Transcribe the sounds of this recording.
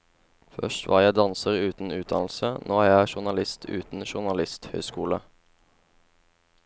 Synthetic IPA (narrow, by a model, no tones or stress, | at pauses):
fœ̰ʃtʋʔɑ̰ːjæɪd̪ɑnsəʁʉːt̪n̩ʉːt̪̚d̪ɑ̰nl̩sənʔoːæːʁjæɪʃʊʁnɑlɪst̪ʰʉ̰ːt̪n̩ʃʊʁnɑlɪst̪hœ̰ʏskuːlə